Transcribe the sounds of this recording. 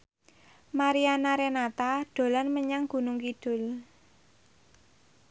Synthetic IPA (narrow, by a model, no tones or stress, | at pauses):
maɾianaɾenat̪aɖ̪̥o̤lanməɲaŋɡ̥ṳnʊŋkiɖ̥ʊ̤l